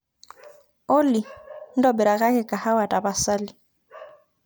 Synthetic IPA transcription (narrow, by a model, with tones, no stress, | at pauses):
o˦lɪ˨n̩˦dɔ˨bɛ˨ɾa˨kʼa˦kʼɛ˨kʼa˨ha˦wa˨tʼa˨ba˨sa˦lɪ˨